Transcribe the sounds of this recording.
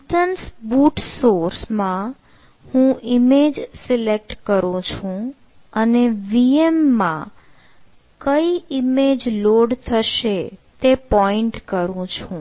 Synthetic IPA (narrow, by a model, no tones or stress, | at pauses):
ʈənsbuʈsoɾsmã | hũimed͡ʒsɪlek̚ʈkəɾũt͡ʃʰũ | əneʋiemːã̰ | kəiimed͡ʒloɖt̪ʰəʃet̪epɔiɳʈkəɾũt͡ʃʰũ